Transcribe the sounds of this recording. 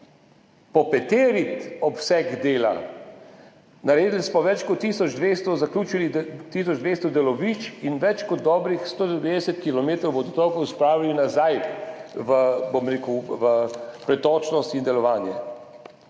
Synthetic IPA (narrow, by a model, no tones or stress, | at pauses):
pɔpɛt̪eːɾit̪ɔpsɛɡd̪eːla̰ | naɾeːd̪lismɔʋɛt͡ʃkɔt̪ːiːsɔd͡ʒd̪ʋeːst̪ɔzakluːt͡ʃilit̪is̬ɔd͡ʒd̪ʋeːst̪ɔd̪ɛlɔʋiːt͡ʃinʋɛt͡ʃkɔd̪̚ːɔːbɾixst̪oːʋeːd̪ɛsɛt̪kilɔmeːt̪ɾɔwbod̪ɔt̪ɔkɔwspɾaːʋilinazajʋəbomɾeːkəwʋəpɾɛt̪ɔːt͡ʃnɔst̪ind̪ɛlɔʋaːnjɛ